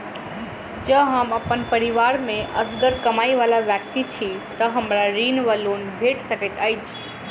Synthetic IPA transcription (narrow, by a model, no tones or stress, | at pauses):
d͡ʒəɦəməpənpəɾiʋaːɾmẽʔəsɡəɾkɐmaːiʋaːlaʋjək̚t̪it͡ʃʰit̪əɦəmɾaɾiːnʋəloːnbʱeʈsəket̪aːjt͡ʃʰ